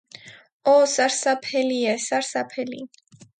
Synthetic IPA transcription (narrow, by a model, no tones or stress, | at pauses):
ɔsaɾsapʰɛliɛsaɾsapʰɛlḭ